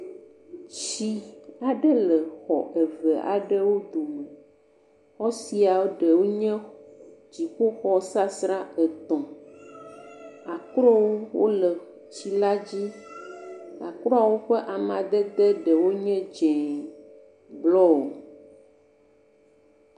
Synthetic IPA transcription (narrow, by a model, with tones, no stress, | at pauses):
t͡ʃi˦a˨ɖɛ˦lə˨xɔ̰˨ʔɛ˨və˨a̰˨ɖɛ˦wo˦d̪o˨mɛ˨ | xɔ˦si˨a˨wo˦ɖɛ˨wo˦ɲɛ̃˦ | d͡ʑi˨k͡po˦xɔ˦sa˦sɾa˦ɛ˨t̪ɔ̃˨ | a˨kɾɔ˦wo˦wo̰˦lɛ˨ | t͡ɕi˨la˦d͡ʑi˦ | a̰˨kɾɔ˦a˨wo˦ɸɛ˦ʔa˨mã˨d̪ɛ˦d̪ɛ˦ɖɛ˨wo˦ɲɛ̃˦d͡ʒɛ̃˨ | blɔ˦wo˨